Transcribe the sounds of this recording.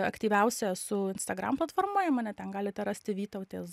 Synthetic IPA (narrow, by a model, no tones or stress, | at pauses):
ɐ̰kt̪ʲiːʋʲɛʊsʲɛsʊɪnst̪ɐɡɾɑ̰mplˠɐt̪foːrmoːjɛmɑːnʲɛt̪ʲɛnɡɑːlʲɪt̪ʲɛɾɑːsʲt̪ʲɪʋʲiːt̪ɐʊt̪ʲeːs